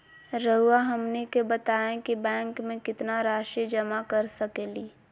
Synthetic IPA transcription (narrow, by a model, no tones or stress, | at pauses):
ɾəɦuaɦɐmnekebɐt̪aːẽkibɛ̃ːŋkmẽkɪt̪naɾaːʃid͡ʒɐmakɐɾsɐkeːliː